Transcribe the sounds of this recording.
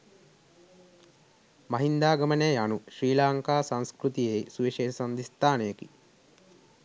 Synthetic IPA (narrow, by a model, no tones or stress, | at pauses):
mɐɦind̪aːɡɐmɐneanuʃɾiːlaːŋkaːsãnskɾut̪ijesuʋiʃeːsɐnd̪ist̪aːnejeki